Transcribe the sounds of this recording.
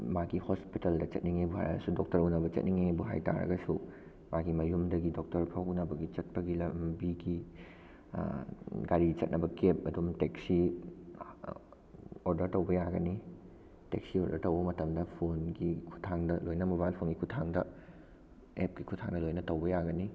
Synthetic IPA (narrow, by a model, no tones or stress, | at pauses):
maɡihospiteldɐt͡ʃɐ̰t̚niŋabuɦa̰jɾɐ̰ɡɐsudok̚tɐɾunɐbɐt͡ʃɐ̰t̚niŋaŋabuɦa̰jta̰ɾɐ̰ɡɐsu | maɡimɐjumdɐɡidok̚tɐɾpʰɐwunɐbɐɡit͡ʃɐt̚pɐɡilɐmbiɡi | ɡaɾit͡ʃɐt̚nɐbɐkep̚ɐdumteksi | oɾdɐɾtɐwbɐjaɡɐni | tḛksioɾdɐɾtɐwbɐmɐtɐmdɐpʰonɡikʰu̥tʰaŋdɐlojnɐmobajlpʰonɡikʰutʰaŋdɐ | ep̚ɡikʰutʰaŋdɐlojnɐtɐwbɐjaɡɐni